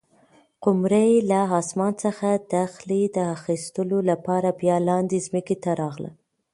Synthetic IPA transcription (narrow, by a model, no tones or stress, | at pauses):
qʊmɾajlaɦɑsmɑnt͡səxad̪axlid̪əaxist̪əlolapɑɾabjɑlɑnd̪izməket̪aɾɑɣlə̰